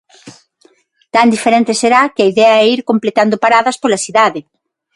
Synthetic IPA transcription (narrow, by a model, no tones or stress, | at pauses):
t̪and̪ifeɾent̪ɪseɾakɪɐiðɛɐɛiɾkomplet̪and̪opaɾaðɐspolɐsiðaðɪ